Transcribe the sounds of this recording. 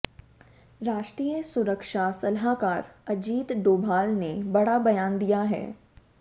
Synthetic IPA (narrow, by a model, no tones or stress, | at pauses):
ɾaːʃʈɾiːjəsʊɾəkʃasɐlɦakaːɾɐd͡ʒiːt̪ɖoːbʱaːlnebɐɽ̤abɐjaːnd̪ijaɦɛ̰ː